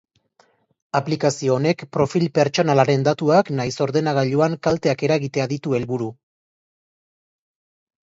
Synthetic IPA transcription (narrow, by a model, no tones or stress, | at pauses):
aplikasio̞ːne̞kpɾo̞filpe̞ɾt͡ʃo̞nalaɾe̞nd̪at̪uaknajso̞ɾðe̞naɣ̞aʎuaŋkalt̪eake̞ɾaɣit̪e̞aðit̪ue̞lβuɾu